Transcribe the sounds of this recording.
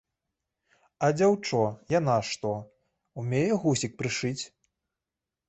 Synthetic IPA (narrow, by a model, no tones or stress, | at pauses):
ɐd͡zʲawt͡ʂɔjan̪aʂt̪ɔ | umʲejɛɣusʲik̚pɾɨʂɨt͡sʲ